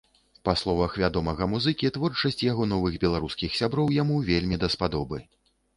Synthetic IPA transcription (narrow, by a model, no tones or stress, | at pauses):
paslˠɔvɐxvʲad̪ɔmɐɣɐmuzɨkʲit̪vɔrt͡ʂɐsʲt͡sʲjaɣɔnɔvɨɣbʲɛlˠaɾuskʲixsʲabɾɔwjamuvʲelʲmʲid̪ɐspad̪ɔbɨ